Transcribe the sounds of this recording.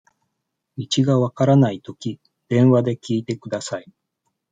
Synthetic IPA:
it͡ɕiɡaβakaɾanait̪o̞kʲi | d̪̥ẽ̞ɰ̃βad̪e̞kʲiːt̪e̞kɯ̟d̪asai

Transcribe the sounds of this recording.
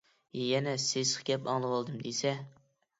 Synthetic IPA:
jɛnɛsesχkʲɛpɑŋlˠɨwɑlˠd̪ɨmd̪esɛ

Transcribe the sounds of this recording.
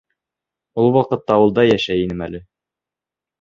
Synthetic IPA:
ulˠwɑqɤ̆t̪ːɑŭlˠd̪ɑjæʃæjinɘmælɘ

